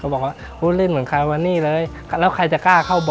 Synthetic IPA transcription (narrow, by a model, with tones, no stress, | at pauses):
kʰa˧˩bɔː˨˩k̚waː˧˩ | ʔuː˧˥˩lɯː˥˩˨nmɯ˩˦nkʰa˧jwa˧nːiː˧˥˩lɤː˧j | lɛː˦˥wkʰa˧˩jt͡ɕa˨˩kaː˥˩kʰa˧˥˩wbɔ˨